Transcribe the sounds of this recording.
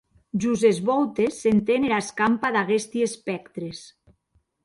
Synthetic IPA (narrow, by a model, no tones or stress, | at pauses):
ʒuzezβɔwt̪esːent̪eneɾaskampaðaɣest̪iespɛkt̪ɾes